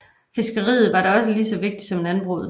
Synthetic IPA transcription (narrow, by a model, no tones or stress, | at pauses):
fe̝sɡ̥əʁḭːð̩ˠʋɑ̈ɾɑ̈ɒ̽s̬əliːsɒ̽ʋe̝ɡ̥̚d̥i̥sɒ̽menænb̥ʁo̝̰ːð̩ˠ